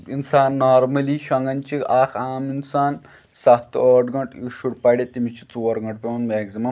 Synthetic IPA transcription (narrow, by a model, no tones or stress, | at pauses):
insaːnːaːɾmɐliʃɐŋɡɐnt͡ʃiaːkʰaːminsaːn | sat̪ːɔːʈɡɐʈiʃuɽpaɽʲet̪imit͡ʃit͡soːɾɡɐʈpemɐnmeɡzimɐ